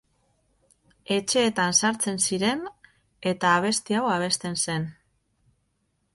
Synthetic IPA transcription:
e̞t͡ʃe̞ːt̪ansaɾt͡se̞nsiɾe̞n | e̞t̪aːβ̞e̞st̪iawaβ̞e̞st̪e̞nse̞n

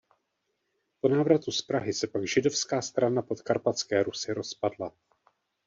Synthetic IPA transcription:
po̞naːvɾat̪uspɾaɦɪsɛpaɡʒɪdo̞fskaːst̪ɾanapo̞t̪kaɾpat͡skɛːɾusɪɾo̞spadla

